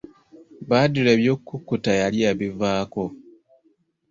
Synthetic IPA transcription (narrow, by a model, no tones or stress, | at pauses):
βaduleβjo̞ːkːukːutajaliaβivaːko